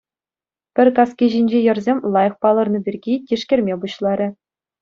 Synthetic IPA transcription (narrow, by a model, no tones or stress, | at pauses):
pʲɘ̆rʲkɑskʲiʑinʲd͡ʑejɤ̆rzʲemʲlˠɑjɤ̆χpɑlˠɤ̆rnɤ̆bʲirʲɡʲitʲiʂkʲɘ̆rʲmʲebuɕlˠɑɾʲɘ̆